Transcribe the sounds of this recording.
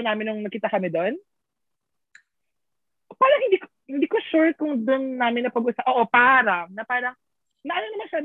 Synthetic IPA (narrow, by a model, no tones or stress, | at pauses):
naːmɪnːʊŋnɐkiːt̪ɐkɐmɪd̪on | paːɾɐŋhɪnd̪iːk | hɪnd̪iːkoʃuɹkʊŋd̪ʊnːaːmɪnːɐpɐɡʊsapʔoːʔopaːɾɐnɐpaːɾɐŋ | nɐʔɐnonɐmanʃam